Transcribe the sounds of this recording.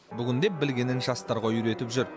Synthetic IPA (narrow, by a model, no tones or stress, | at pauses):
bʏɡʲɪnd̪e̞p̚bɪlɡʲe̞nɪnʒɑst̪ɑɾʁɑʏɾe̞t̪ɪpʒʏɾ